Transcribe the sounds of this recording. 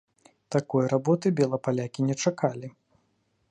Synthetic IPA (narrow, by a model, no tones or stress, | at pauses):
t̪akɔjrabɔt̪ɨbʲɛlˠɐpalʲakʲinʲɛt͡ʂakalʲi